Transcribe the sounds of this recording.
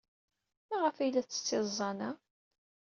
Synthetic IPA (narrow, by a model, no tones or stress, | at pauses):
mæʁəfæjlːæθːə̥t͡sːɪzˤːɑnæ